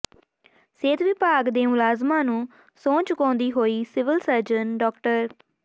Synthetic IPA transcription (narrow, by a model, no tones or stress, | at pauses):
seːt̪ʋɪpaːɡd̪eːmʊlaːzmãːnũː | sõːt͡ʃkõːnd̪iːɦoːiːsɪʋɪlsəɾd͡ʒənɖɔːkʈəɾ